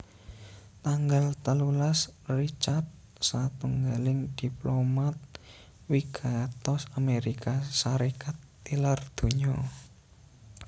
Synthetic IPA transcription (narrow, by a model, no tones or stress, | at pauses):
t̪aŋɡalt̪əlulasrit͡ʃat̪̚ | sat̪uŋɡalɪŋd̪̥i̤plomat̪̚ | wiɡ̥at̪ɔsameɾikasaɾekat̪ːilard̪̥o̤ɲɔ